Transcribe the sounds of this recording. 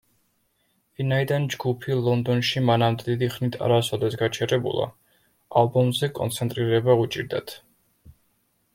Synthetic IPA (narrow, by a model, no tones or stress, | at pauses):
vinaid̪and͡ʒɡupʰilˠɔnd̪ɔnʃimanamd̪ɛd̪id̪iχnit̪ʰa̰ɾasɔd̪ɛsɡat͡ʃʰɛɾɛbṵlˠa̰ | alˠbɔmzɛkʼɔ̰nt̪sʰɛnt̪ʼɾiɾɛbaut͡ʃʼiɾd̪at̪ʰ